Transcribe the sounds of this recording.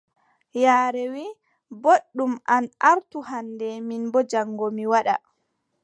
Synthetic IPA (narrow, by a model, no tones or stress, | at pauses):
jaːɾɛwi | boɗːumʔanaɾtuhandɛminbɔd͡ʒaŋːɡomiwaɗa̰